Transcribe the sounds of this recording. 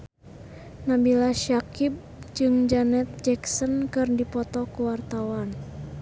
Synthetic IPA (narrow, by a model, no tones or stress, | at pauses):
nabilaʃakib̚ | d͡ʒɨŋd͡ʒanɛt̪̚d͡ʒɛksənkɨrdipɔt̪ɔkuwart̪awan